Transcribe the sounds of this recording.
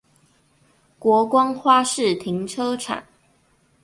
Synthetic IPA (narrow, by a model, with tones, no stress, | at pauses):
kwɔ˨˧˥kwɑ˦ŋxwa˥ʂɻ̩˥˨t̪ʰi˨˦ŋʈ͡ʂʰɤ˥ʈ͡ʂʰa̰˨˩˦n